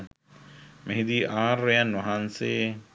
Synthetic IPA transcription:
meɦid̪iːʔaːɾːejanʋɐɦanseː

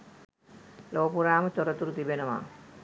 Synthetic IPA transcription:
loːpuɾaːmət̪oɾət̪uɾut̪ibenəʋa̰ː

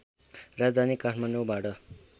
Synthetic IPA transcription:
rad͡zd̪ʱanikaʈʰmaɳɖobaʈʌ

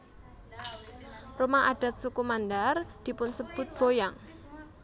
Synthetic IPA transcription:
rumaʔaɖ̥a̤t̪̚sukumand̪ard̪̥i̤pʊnsəb̥ʊt̪̚b̥ojaŋ

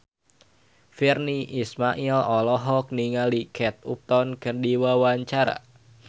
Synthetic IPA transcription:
firniʔismaʔilɔlɔɦɔk̚niŋalikʰɛt̪̚up̚t̪ɔnkəndiwawaɲt͡ʃaɾa̰

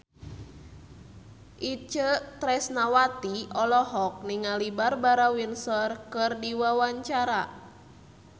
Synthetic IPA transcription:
ʔit͡ʃət̪ɾɛsnawat̪iʔɔlɔɦɔk̚niŋalibarbaɾawinsɔrkɨrdiwawaɲt͡ʃaɾa

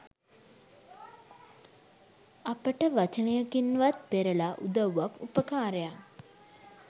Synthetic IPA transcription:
apəʈəʋat͡ʃənəjəkinʋat̪̚peɾəlaʔud̪əʋʋakupəkaːɾəja

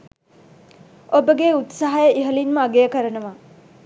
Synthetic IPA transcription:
obəɡeut̪saɦajɐʔiɦɐlinmɐɐɡejəkɐɾɐnɐʋa

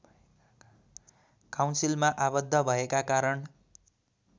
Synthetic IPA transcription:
kawnsilmaʔabʌd̪ʱːʌbʱʌekakaɾʌn

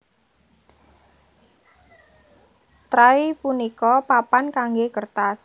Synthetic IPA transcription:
t̪ɾaipunikɔpapankaŋɡekərt̪as

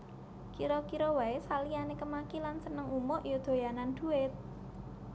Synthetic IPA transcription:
kiɾɔkiɾɔwaesalijanekəmakilansənəŋumɔʔjod̪̥o̤janand̪̥uɪt̪̚

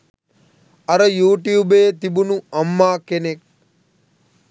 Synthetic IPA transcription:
ɐɾɐjuːʈjuːbeːt̪ibunuɐmːaːkenek̚

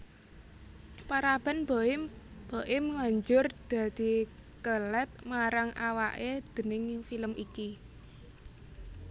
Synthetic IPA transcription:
paɾab̥a̤nbaɪb̥aʔɪmwaɲd͡ʒʊrd̪̥a̤d̪̥i̤kəlɛt̪̚maɾaŋʔawaʔed̪̥ə̤nɪŋfiləmiki

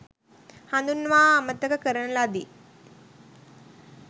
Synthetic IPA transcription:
hand̪unʋaːmət̪əkəkəɾənəlad̪i

